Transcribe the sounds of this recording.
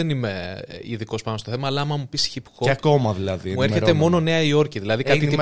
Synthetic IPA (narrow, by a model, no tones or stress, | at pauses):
enime̞iðiko̞spɐnost̪oθemɐːlɐːmɐmupisçipxoɐkomɐðilɐðimue̞ɾçe̞t̪e̞mo̞no̞ne̞ɐio̞ɾciðilɐðikɐt̪it̪i